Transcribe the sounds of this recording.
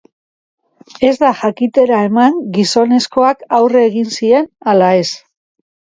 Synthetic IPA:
e̞zd̪axakit̪e̞ɾae̞maŋɡiso̞ne̞sko̞akawre̞ːɣinsie̞nalae̞s

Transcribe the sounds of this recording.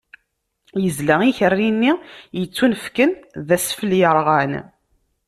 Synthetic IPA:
jəzlæiçərːinːijət͡sːunfkənðæsfəljəɾˤʁæn

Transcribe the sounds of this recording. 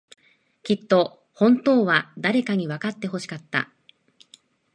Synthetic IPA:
kʲit̪ːo̞ | hõ̞nt̪o̞ːβad̪aɾe̞kaɲ̟iβakat̪ːe̞ɦo̞ɕi̥kat̪ːa̰

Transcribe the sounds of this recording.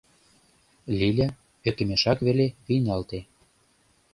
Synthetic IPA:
lʲilʲæ | βekɘ̆meʃɑkβeleβinɑlt̪e

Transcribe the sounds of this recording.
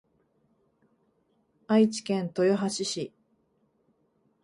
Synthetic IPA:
ait͡ɕi̥kẽ̞nt̪o̞joɦaɕiɕi

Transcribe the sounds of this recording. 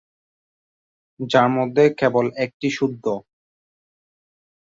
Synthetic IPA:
d͡ʑaɾmod̪ʱːekebolek̚ʈiʃuɾd̪ʱːo

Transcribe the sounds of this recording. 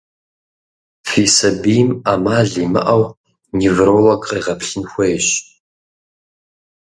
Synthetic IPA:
fiːsɐbijmamaːɮimɨ̰ʔɐw | nivrowɐkʼɐʁɐpʰɬɨnxʷejɕ

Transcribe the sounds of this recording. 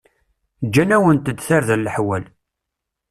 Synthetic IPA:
d͡ʒːænæwənt̪əd̪θaɾðəlːəħwæl

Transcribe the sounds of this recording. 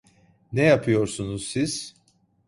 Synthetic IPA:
nɛjapʰɯjo̞ɾsunuzsiz̥

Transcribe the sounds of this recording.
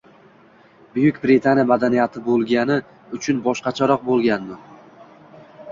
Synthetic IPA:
bʊjʊkʲbɾit̪ʰanijamad̪anijat̪ʰɪbolˠɡʲanɪ | ʊt͡ʃʰʊnbɒʃqɑt͡ʃʰaɾɒq̚bolˠɡʲand̪ɪ

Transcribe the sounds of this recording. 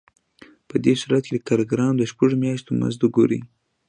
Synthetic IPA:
pəd̪esuɾat̪̚ked̪əkɑɾoɡɾɑmd̪əʃpəʐomjɑʃt̪oma̰nzd̪ʊɡoɾḭ

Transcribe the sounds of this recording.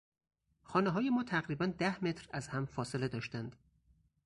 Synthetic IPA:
xɒːneɦɒːjemɒːt̪ʰæɣɾiːbænd̪æhme̞t̪ʰɾæzhæmfɒːsele̞d̪ɒːʃt̪ænd̪̥

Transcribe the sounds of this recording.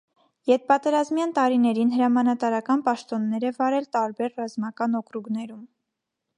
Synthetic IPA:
jɛɾ̚pɑt̪ɛɾɑzmjɑnt̪ɑɾinɛɾinɦəɾɑmɑnɑt̪ɑɾɑkɑnpɑʃt̪ɔnːɛɾɛvɑɾɛlt̪ɑɾbɛɾrɑzmɑkɑnɔkɾuɡnɛɾum

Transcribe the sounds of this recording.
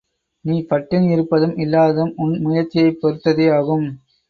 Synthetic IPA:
niːpɐʈːɪnɪɾɯpːɐðɯmɪlːaːðɯmʊnmʊjɐɾt͡ʃːɪjɐɪpːɔɾɯt̪ːɐðeaːɣɯm

